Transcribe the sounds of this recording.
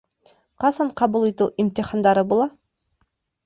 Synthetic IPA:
qɑsɑɴqʰɑbulˠit̪uʔimt̪iχɑnd̪ɑɾɤbulˠɑ

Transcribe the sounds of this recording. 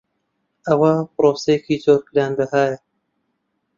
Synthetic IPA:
ɐwɐpɨɾoːsejekiːzoːɾkɨɾaːnd̪ɐɦaːjɐ

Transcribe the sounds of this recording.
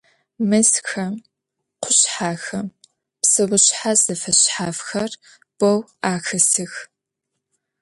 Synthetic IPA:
mɨsxɐ | qʷʰʊɕħaːxɐm | psɨwʷʊɕħazɐfɐɕħaːfxɐr | b̥owaːxɐsɨx

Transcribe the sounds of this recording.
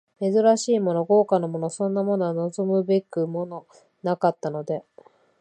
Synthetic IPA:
me̞zɨɾaɕiːmo̞no̞ɡo̞ːkanomo̞nosõ̞nːamo̞no̞ano̞zo̞mɯ̟be̞kɯ̟mo̞no̞ | nakat̪ːano̞d̪e̞

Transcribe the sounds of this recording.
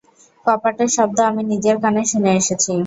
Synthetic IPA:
kɔpaʈeɾʃɔb̚d̪oaminid͡ʑeɾkaneʃoneeʃet͡ɕʰi

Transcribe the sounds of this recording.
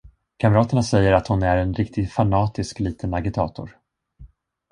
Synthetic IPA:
kʰamɾɑːt̪əɳasɛjːəɾat̪hʊnæɾɛnɾɪk̚t̪ʰɪɡfanɑːt̪ɪskliːt̪ʰənaɡɪt̪ʰɑːt̪ʊ̰ɾ

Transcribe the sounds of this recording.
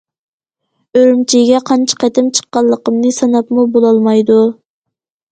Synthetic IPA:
øɾymt͡ʃʰiɡʲɛqʰɑnt͡ʃʰɑ̥qʰɛt̪ɪmt͡ʃʰə̥qːɑlˠːəqəmnɨsɑnɑpmubolˠɑlˠmɑjd̪u

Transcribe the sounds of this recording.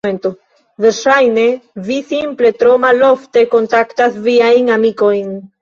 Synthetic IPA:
ento | veɾʃajne̞visimple̞tɾo̞malo̞fte̞ko̞ntaktasviajnamiko̞jn

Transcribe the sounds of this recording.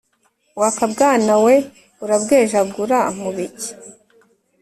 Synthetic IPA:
wakabɡaːnawe | uɾabɡeːʒabɡuɾam̥uβiɟi

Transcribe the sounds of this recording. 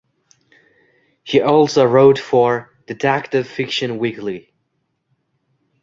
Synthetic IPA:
hiʔɔlˠsoʊɹoʊtfə˞ | ð̥ɨdʰæk̚tɨv̥fɪkʃɨ̃nwikli

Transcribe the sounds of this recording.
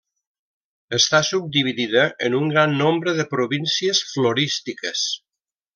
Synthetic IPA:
əst̪asub̚d̪iβiðiðəʔənuŋɡɾanːombɾəðəpɾuβinsiəsfloɾist̪ikəs

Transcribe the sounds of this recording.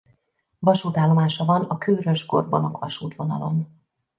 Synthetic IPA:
vɒʃuːt̪aːlːo̞maːʃɒvɒnɒkøːɾøʒɡo̞̰rvɒnokʋɒʃuːt̪vo̞nɒ̰lo̞n

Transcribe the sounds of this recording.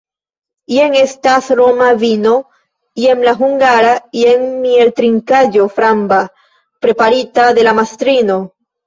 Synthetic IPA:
ieŋestasɾomavino̞ | iemlaɦuŋɡaɾaieŋmielt̪ɾiŋkad͡ʒofɾamba | pɾepaɾitaðe̞lamast̪ɾino

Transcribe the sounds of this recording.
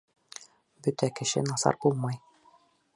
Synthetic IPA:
bɵt̪ækɘ̆ʃɘ̰nɑsɑ̰ɾbulˠmɑj

